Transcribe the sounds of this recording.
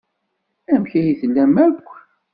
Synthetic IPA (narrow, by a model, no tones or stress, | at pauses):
æmçæjiθlːæmækʷː